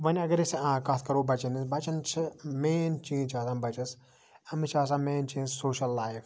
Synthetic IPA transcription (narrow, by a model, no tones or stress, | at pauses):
ʋɐnʲɐɡɐɾisãːkɐt̪ʰkɐɾoːbɐt͡ʃɐnisbɐt͡ʃɐnt͡ʃʰɨmeːnt͡ʃĩːnt͡ʃʰaːsãːbɐt͡ʃɐs | ɐmit͡ʃʰaːs̬ãːmeːnt͡ʃiːzʲsoːʃɐlːaːjf